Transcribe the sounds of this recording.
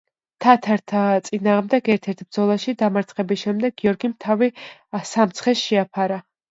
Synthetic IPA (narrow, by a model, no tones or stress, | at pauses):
t̪ʰat̪ʰaɾt̪ʰat̪sʼinaːʁmd̪ɛɡɛɾt̪ʰɛɾt̪ʰbɾd̪zɔlˠaʃid̪amaɾt̪sʰχɛbisʃɛmd̪ɛɡ̚ɡiɔɾɡimt̪ʰavisamt̪sʰχɛsʃɛapʰaɾa